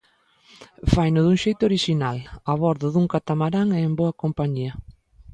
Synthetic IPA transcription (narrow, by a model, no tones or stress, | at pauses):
fajnʊðuŋʃejt̪ʊoɾiʃinalaβɔɾðʊðuŋkat̪amaɾaŋɛemboɐkompaɲiɐ